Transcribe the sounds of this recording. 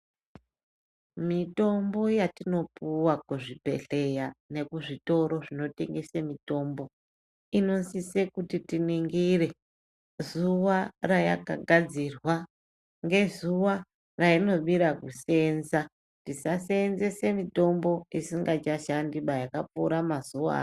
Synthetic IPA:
mito̞mbo̞jatino̞puwakuʐipe̞̰ɬe̞jane̞kuʐito̞ɾo̞ʐino̞te̞̰ŋɡe̞semito̞ːmbo̞ | ino̞nsise̞kutitiniŋɡire̞ | zuwaraja̰ka̰ɡʱad͡zirwa | ŋɡe̞zuwa | raino̞ɓiɾakuse̞nza | tisaseːnze̞se̞mito̞mbo̞isiŋɡat͡ʃaʃandiɓajakapuːɾamazua̰ː

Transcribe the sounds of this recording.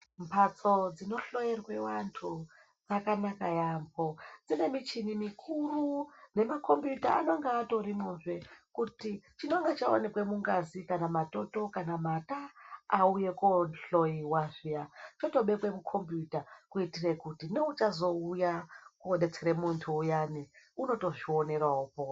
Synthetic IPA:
mpʰat͡so̞d͡zino̞ɬo̞jerwe̞wantʰu | d͡zakanakajambod͡zine̞mit͡ʃinimikʰurune̞mako̞mpjutaa̰no̞ŋɡaːto̞ɾimunʐe̞kutit͡ʃinoŋɡat͡ʃao̰ne̞kwe̞muŋɡazikanamato̞to̞kanamataauje̞konɬo̞iwaʐijat͡ʃoto̞ɓe̞kwe̞mukʰo̞mpjutakuitirekutino̞ut͡ʃazo̞ujakuoɗe̞t͡seɾemuntʰuːjaːniuno̞to̞ʐio̞ne̞rwaupo

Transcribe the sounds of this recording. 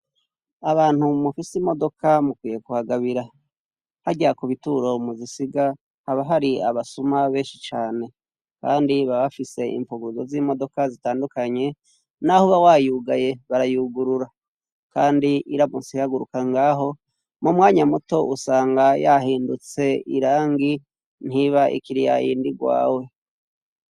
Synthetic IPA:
aβaːn̥humufisimo̞do̞kamukwiːje̞kuhaɡaβiɾa | haɟakuβituɾo̞muzisiɡa | haβaɦaɾia̰βasumaβe̞ːnʃit͡ʃaːne̞ | kaːndiβaβafise̞ʔḭmpuɡuzozimo̞do̞kazitaːndukaɲe̞ | nahoβawajuːɡajeβaɾajuɡuɾuɾa | kaːndiʔiɾamusihaɡuɾukaŋɡaːɦo̞ | mumwaːɲamuto̞ʔusaːŋɡajaɦiːndut͡se̞ḭɾaːŋɡi | n̥hiβaʔḭkiɾija̰jḭːndiɡwa̰ːwe̞

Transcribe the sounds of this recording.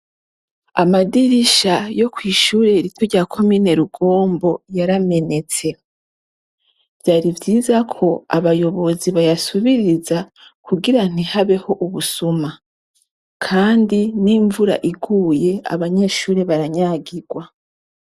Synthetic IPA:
a̰madiɾiʃajo̞kwiːʃuːɾe̞ɾitoɾɟaːkʰo̞mine̞ɾuɡo̞ːmbo̞jaɾame̞ne̞t͡se̞ | vjaːɾivɟiːzakʰo̞a̰βajo̞βo̞ziβajasuβiɾiza | kuɡiɾan̥ihaβe̞ho̞ʔuβusuma | kʰaːndiniːɱvuɾa̰ʔiɡuːje̞a̰βaɲe̞ːʃuːɾeβaɾaɲaːɡiɡwa

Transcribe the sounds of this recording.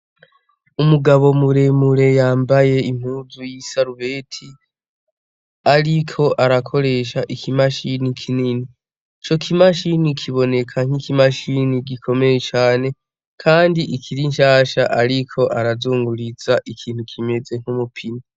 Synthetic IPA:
umuɡaβo̞muɾemuɾe̞jaːmbaje̞im̥huːzujisaɾuβe̞ːtʰi | aɾikʰo̞ʔaɾakʰo̞ɾe̞ːʃaʔikʰimaʃinikʰinini | t͡ʃo̞kʰimaʃinikʰiβo̞ne̞kʰaŋ̥ikimaʃiniɡikʰo̞me̞jet͡ʃaːne̞ | kʰaːndiʔikʰiɾinʃaːʃaʔaɾikʰo̞ʔaɾazuːŋɡuɾizaʔikʰiːn̥hukʰime̞ze̞ŋ̥humupʰini

